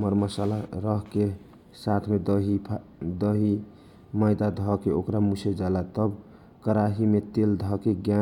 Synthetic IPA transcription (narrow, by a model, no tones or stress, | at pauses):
məɾməsalaɾəɦke | sat̪ʰmed̪ɦi | d̪əɦi | məjd̪ad̪ʱɔkeokɾamusʰed͡ʒalat̪əb | kəɾaɦimet̪eld̪ʱɔkeɡja